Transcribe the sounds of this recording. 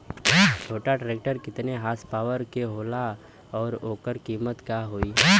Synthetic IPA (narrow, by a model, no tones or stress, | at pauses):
ʈʰoːʈaɖɾeːk̚ʈəɾkɪt̪neɦaːspaːʋəɾkeɦoːla | ɔːɾoːkəɾkiːmət̪kaɦoːiː